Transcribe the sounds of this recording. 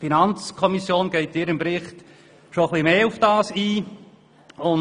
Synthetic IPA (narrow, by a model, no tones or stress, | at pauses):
finɑnt͡skʰɔmisjoːnɡ̥ɛɪt̚d̥ɪːɾɪmbɾɪχt | ʃoχlimeːʊfd̥ɑːsiː | ʊn